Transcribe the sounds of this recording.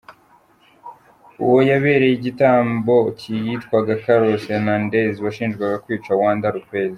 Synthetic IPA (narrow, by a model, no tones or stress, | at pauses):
uwo̞jaβe̞ːɾe̞jiɟitaːmbo̞cʰijitkwaɡakaɾosenandeziβaʃiːnʒɡwaɡakwiːt͡ʃawaːndaɾukwe̞ːzi